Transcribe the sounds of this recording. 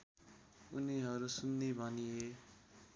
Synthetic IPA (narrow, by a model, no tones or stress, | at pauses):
uniɦʌɾusunːibʱʌnie